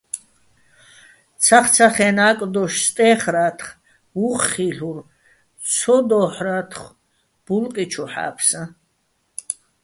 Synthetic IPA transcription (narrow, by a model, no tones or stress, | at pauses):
t͡sʰaχt͡sʰaχɛnaːkʼd̪ɔʃst̪ʼɛːχɾaːt̪ʰχ | uχχiɬuɾ | t͡sʰɔd̪ɔːħɾat̪ʰχ | b̥ulqʼit͡ʃʰuħa̰ːpʰsa